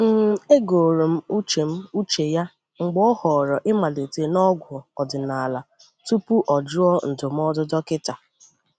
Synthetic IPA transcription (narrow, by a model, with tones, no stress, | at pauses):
m̩˦˨e˦ɡo˨ɾo˨m̩˦u˦t͡ʃe˨m̩˦u˦t͡ʃe˨ja˦ | ŋ͡m̩˨ɡ͡bɔ˦hɔ˨ɾɔ˨ʔɪ˦ma˨le˨te˨˦nɔ˦ɡʷʊ˨ɔ˨dɪ˨na˨la˨ | tu˦pu˦ʔɔ˨d͡ʒʊ˦ɔ˦n̩˨dʊ˨m˦ɔ˦dʊ˦dɔ˦kɪ˦ta˨